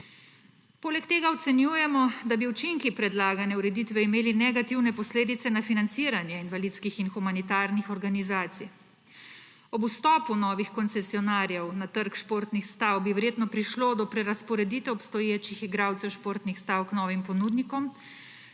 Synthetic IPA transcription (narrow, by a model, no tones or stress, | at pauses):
poːlɛkt̪eːɡaɔt̪sɛnjuːjɛmɔd̪abiut͡ʃiŋkipɾɛd̪laːɡanɛuɾɛd̪iːt̪ʋɛimeːlinɛɡat̪iwnɛpɔsleːd̪it̪sɛnafinant̪siːɾanjɛinʋalit̪skixinxumanit̪aːɾnixɔɾɡanizaːt̪sij | ɔbust̪ɔːpunɔːʋixkɔnt̪sɛsiɔnaːɾjɛwnat̪əɾkʃpoːɾt̪nixst̪aːwbiʋɛɾjeːt̪nɔpɾiʃloːd̪ɔpɾɛɾaspɔɾɛd̪iːt̪ɛɔpst̪ɔjeːt͡ʃixiɡɾaːwt̪sɛwʃpoːɾt̪nixst̪aːwknɔːʋimpɔnuːd̪nikɔm